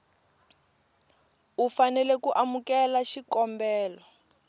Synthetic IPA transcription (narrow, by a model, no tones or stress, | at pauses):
ufanɛlɛkuʔamukɛlaʃikɔmbɛːlɔ